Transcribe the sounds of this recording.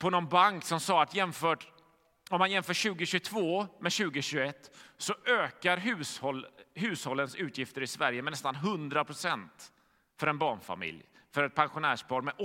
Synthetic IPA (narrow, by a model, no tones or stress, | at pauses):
pʰɔnɔnbaŋksɔmsɑːat̪jɛmfœːʈ | ɔmːanjɛmfœːɕʉ̟ːɡəɕɵt̪ʰvoːmɛɕʉ̟ːɡəɕʉːɡɛt̪ːsɔøːkaɾɦʉ̟ːshɔlɦʉ̟ːshɔlːənsʉ̟ːt̪ʰjɪft̪əɾɪsvæɾjəmɛnːɛst̪anɦɵnd̪ɾapʰɾʊsɛnt̪ | fœɾɛnbɑːɳfa̰mɪ̰lj | fœɾɛt̪̚pʰanɧʊnæːʂpʰɑːɾmɛʔɔ